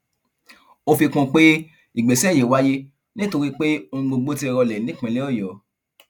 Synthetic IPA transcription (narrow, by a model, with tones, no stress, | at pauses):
o˧fi˧kũ˧k͡pe˦ | i˦˨ɡ͡be˨sɛ˦˨je˨˦wa˦je˦ | nĩ˦to˧ɾi˦k͡pe˦õ˧ɡ͡bo˧ɡ͡bo˦ti˦˧ɾɔ˧lɛ˨˦nĩ˦k͡pɛ̃˨le˦ɔ˦˨jɔ˨˦